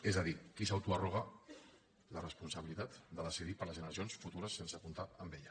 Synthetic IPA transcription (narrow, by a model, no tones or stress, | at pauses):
ezəðikisawt̪uəroɣ̞ə | lərəspunsəβilit̪at̪d̪əðəsiðipəɾləzʒənəɾəsionsfut̪uɾəsːensəpunt̪aəmbeʎə